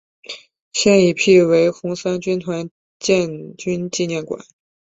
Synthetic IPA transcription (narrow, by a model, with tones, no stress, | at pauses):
ɕjɛ˥˩ni˧˨˩pʰi˥˩we˧˥ɪxʊ˧˥ŋsa˥nt͡ɕy˥nt̪ʰwa˧˥n | t͡ɕjɛ˥˧nt͡ɕy˥nt͡ɕi˥˧njɛ˥˩nkwa̰˨˩˦n